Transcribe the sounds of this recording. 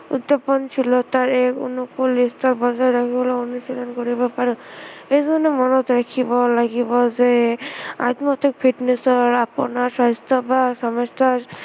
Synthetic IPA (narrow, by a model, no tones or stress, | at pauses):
ṵd̪ːɔpɔnt͡ʃʰilɔt̪aɹekṵnukolistɔɾbɔzaɾakʰibɔlaonusilɔnkoɾibɔpaɾɔ̃ejzɔnemɔnɔt̪ɾakʰibɔlaɡibɔze | a̰t̪mɔt̪ik̚pʰiʈnesɔɾapɔ̰naɾsɔɦɔst̪ʰɔbasɔmɔst̪aɾ